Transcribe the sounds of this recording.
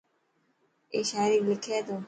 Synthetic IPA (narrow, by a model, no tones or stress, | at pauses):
eʃaɾiklikʰeːt̪oː